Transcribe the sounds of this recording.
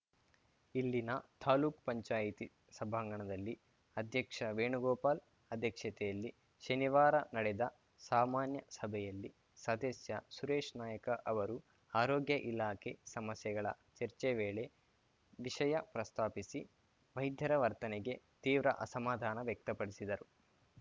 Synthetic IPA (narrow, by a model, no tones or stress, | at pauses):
ilːinɐt̪ʰaːluːkpɐɲt͡ʃaːjit̪i | sɐbʱɐŋɡɐɳɐd̪ɐlːi | ɐd̪ʱjɐkʂɐʋeːɳuɡɔːpaːl | ɐd̪ʱjɐkʂɐt̪ɛjɐlːi | ʃɐniʋaːɾɐnɐɽɛd̪ɐ | saːmaːnjɐsɐbʱɛjɐlːi | sɐd̪esjɐsuɾeːʂnaːjɐkɐʔɐʋɐɾu | aːɾoːɡjɐʔilaːkʰesɐmɐsjɛɡɐɭɐ̰ | t͡ʃɐɾt͡ʃeʋeːɭe̞ | ʋiʂɐjɐpɾɐst̪ʰaːpisi | ʋɐjd̪ʱjɐɾɐʋɐɾt̪ɐnɛɡe̞t̪iːʋɾɐ̰ʔɐsɐmaːd̪ʱaːnɐʋjɐk̚t̪ɐpɐɽisid̪ɐɾu